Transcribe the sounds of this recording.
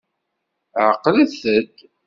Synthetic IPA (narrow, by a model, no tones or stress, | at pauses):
ʕəqːləθəd̪